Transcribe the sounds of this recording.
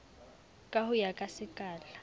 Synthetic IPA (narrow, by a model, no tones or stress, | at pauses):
kʼahʊjakʼasɪkʼaːla